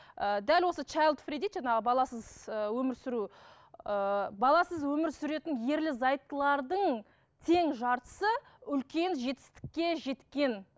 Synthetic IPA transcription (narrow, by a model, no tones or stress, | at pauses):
əd̪ælwo̞sət͡ʃʰɑjlˠd̪fred̪ijt̪ʒɑnɑʁəbɑlˠɑsəzəwɵmɪɾsʏɾu | əbɑlˠɑsəzwɵmɪɾsʏɾe̞t̪ɪnje̞ɾlɪzɑjt̪ːəlˠɑɾd̪əɴ | t̪ʰe̞ŋʒɑɾt̪ə̥sə | ʏlkʲe̞nʒe̞t̪ɪ̥st̪ɪ̥kʲːe̞ʒe̞t̪kʲe̞n